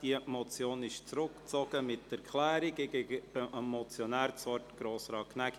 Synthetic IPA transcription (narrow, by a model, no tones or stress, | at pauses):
d̥imɔt͡sjoːnɪʃt͡sɾʊkt͡sɔɡ̥əmɪtːɛɾkʰlæːɾiɡeɡəb̥ɛɑmːɔt͡sjɔnæːɾt͡sɔɾtɡ̥ɾoːsɾɑːknæɡ